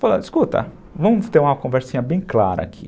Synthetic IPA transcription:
faloɪskut̪ɐ̰ | vɐ̃mʊst̪eɾũmɐkõveɾsĩɲɐbẽj̃kla̰ɾɐ̰a̰kʰi̥̰

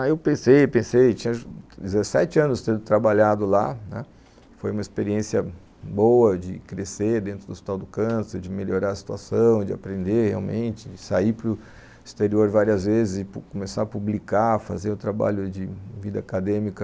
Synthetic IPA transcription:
aewpẽsejpẽsejt͡ʃĩɲɐd͡ʒɪzɛsɛt͡ʃɪɐ̃nʊst̪ẽd̪ʊt̪ɾabaʎad̪ʊla̰nɛ̰ | fojũmɐispeɾiẽsiɐ | bowɐd͡ʒɪ̰kɾeseɾd̪ẽnt̪ɾʊd̪ʊspi̥t̪awd̪ʊkɐ̃seɾd͡ʒɪmelʎoɾaɾɐsi̥t̪uasɐ̃w̃ɪd͡ʒɪa̰pɾẽnd̪ehea̰wmḛ̃nt͡ʃɪd͡ʒɪsaipɾʊ | ist̪eɾioɾvaɾiɐzvezɪzd͡ʒɪpukomesaɾɐpublikafa̰zeɾʊt̪ɾaba̰ʎʊd͡ʒɪvid̪ɐakad̪ẽmikɐ

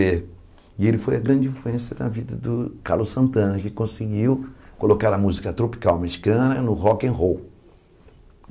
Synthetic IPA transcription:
e | ɪelɪfojɐɡɾɐ̃nd͡ʒɪĩfluẽsjɐnɐ̰vid̪ɐd̪ʊka̰ɾlʊsɐ̃nt̪ɐ̃nɐkɪkõsɪɡiwkolokaɾɐmuzikɐt̪ɾopi̥kawmeʃi̥kɐ̃nɐnʊhɔkẽɦow

